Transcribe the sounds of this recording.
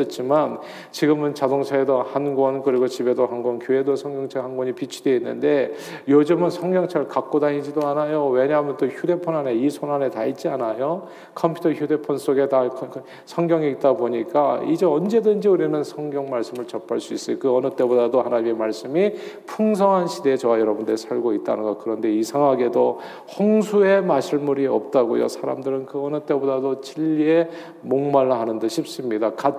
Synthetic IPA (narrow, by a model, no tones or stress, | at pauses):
ɯt͡ɕʰiman | t͡ɕiɡɯmɯnt͡ɕadoŋt͡ɕʰaedohanɡwʌnkɯɾiɡot͡ɕibe̞dohanɡwʌnkjoe̞dosʰʌŋɡjʌŋt͡ɕʰaɭhanɡwʌɲipit͡ɕʰide̞inːɯ̰nde̞ | jod͡ʑɯmɯnsʰʌŋɡjʌŋt͡ɕʰaɭkak̚k͈odaɲid͡ʑidoanajowe̞ɲamʌnt͈oçude̞pʰonane̞isʰonanetait̚t͡ɕ͈ianajo | kʰʌmpʰu̥tʰʌçjude̞pʰons͈ʰoɡe̞takʰ | sʰʌŋɡjʌŋit̚t͈aboɲik͈aid͡ʑe̞ʌnd͡ʑe̞dɯnd͡ʑiuɾinɯnsʰʌŋɡjʌŋmaɭs͈ɯmɯɭt͡ɕʌp͈ʰaɭs͈uis͈ɯjokɯʌnɯt͈e̞bodadohanaɲimemaɭs͈ɯmipʰuŋsʰʌŋɦanɕʰide̞ːt͡ɕʌwajʌɾʌbundɯesʰaɭɡoit̚t͈a̰nɯnɡʌkɯɾʌnde̞isʰaŋaɡe̞do | hoŋsʰue̞maɕʰiɭmuɾiʌ̰p̚t͈aɡojo̰sʰaɾa̰mdɯɾɯnkɯʌnɯt͈e̞bodadot͡ɕiʎːie̞ | moŋmaɭːahanɯndeɕʰip̚s͈ɯmɲidaka